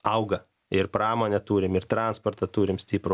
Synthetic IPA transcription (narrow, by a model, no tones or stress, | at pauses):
ɐʊɡɐ | ɪɾpɾɑːmoːnʲɛt̪uːɾʲɪmɪrt̪ɾɑnspoɾt̪ɐt̪uːɾʲɪmsʲt̪ʲiːpɾʊ